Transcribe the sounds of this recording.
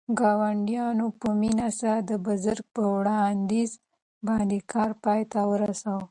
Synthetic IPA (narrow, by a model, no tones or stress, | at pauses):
ɡɑwaɳɖjɑnopəminasad̪əbʊzəɾɡ̚pəwɽɑnd̪iz | bɑnd̪ekʰɑɾpɑjt̪awəɾasaw